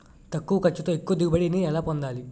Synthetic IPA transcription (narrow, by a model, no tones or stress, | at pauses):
t̪ɐkːuʋɐkɐt͡ʃːut̪oːekːuʋɐd̪iɡubɐɽiniɛlaːpond̪aːli